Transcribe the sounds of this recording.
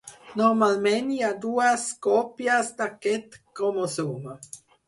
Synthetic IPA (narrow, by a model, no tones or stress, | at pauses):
nomalmeniad̪uaskopjasd̪aket̪komosuma